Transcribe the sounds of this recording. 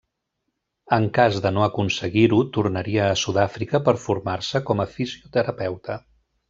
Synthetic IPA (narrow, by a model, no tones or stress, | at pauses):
əŋkazðənoəkunsəɣiɾut̪urnəɾiəːsuðafɾikəpəɾfuɾmarsəkɔməfiziut̪əɾəpɛwt̪ʰə